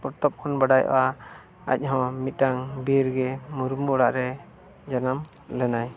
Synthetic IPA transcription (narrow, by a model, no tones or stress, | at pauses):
pɔɾt̪ɔp̚kʰɔnbaɖajʔɔ̰ʔa | a̰c̚ˀɦɔ̃mit̪̚taŋbiɾɡɛmuɾumbɔɽaʔɾɛ | d͡ʒanam | lɛnaj